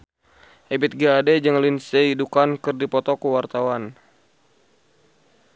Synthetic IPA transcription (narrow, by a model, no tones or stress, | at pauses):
ʔebit̪̚ɡaadɛd͡ʒəŋlinsɛidukankɨrdipɔt̪ɔkəwart̪awan